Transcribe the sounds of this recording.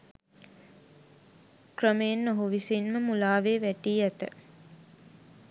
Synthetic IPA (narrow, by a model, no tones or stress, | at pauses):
krəmeːnːoɦuʋisinməmulaːʋeːʋæʈiːæt̪ə